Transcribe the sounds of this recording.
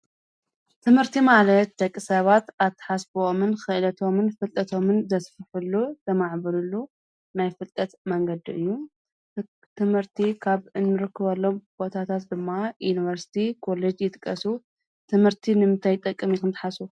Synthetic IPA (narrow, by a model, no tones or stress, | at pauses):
t̪ʰɨmhɨɾt̪ʰimalɐt̪̚d̪ɐkʼːisɐβat̪at̪ʰːɐ̥ħasbomɨnxɨʔlɐt̪ʰo̞mɨnfɨlt̪ʼɐt̪ʰo̞mɨnzɐsfɨħulːuzɐmaʕbɨlulːu | najfɨlt̪ʼɐt̪mɐŋɡɐd̪iʔɨjːu | t̪ʰɨmhɨɾt̪ʰikʰaβɨnːɨɾɨkʰːɨβɐlːo̞mb̥o̞t̪ʰat̪ʰat̪d̪ɨmːajuniβɐɾsi̥t̪ʰikʰo̞led͡ʒjɪt̪ʼɨkʼːɐsu | t̪ʰɨmhɨɾt̪ʰinɨmɨnt̪ʰajt̪ʼɐkʼːɨmikʰɨnt̪ʰɐ̥ħasu